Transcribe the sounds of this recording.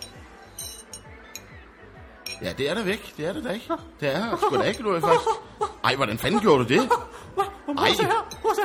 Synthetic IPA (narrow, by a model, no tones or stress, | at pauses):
jæd̥eæɐɾ̥ɑʋeɡ̥d̥e̝æɐɾ̥ed̥ɑeɡ̥d̥eæsɡ̥ueɡ̥d̥uæfɑ̥sɑɪ̰ʋɒɾænfæn̰ɡ̥jo̝ːɐɾ̥ud̥e̝ | ʔɪ̰